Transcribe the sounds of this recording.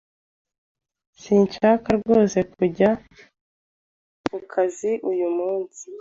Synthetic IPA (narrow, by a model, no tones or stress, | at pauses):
siːnt͡ʃakaɾɡo̞ːse̞kuɟa | kukʰaziʔujumuːnsi